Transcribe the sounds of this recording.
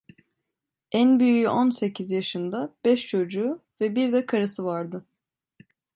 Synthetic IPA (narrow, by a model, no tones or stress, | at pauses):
ænbyjyjyʔonse̞cʰizjaʃɯnd̪abɛʃt͡ʃʰo̞d͡ʒuːvɛbiɾd̪ɛkʰaɾasɯvaɾd̪ɯ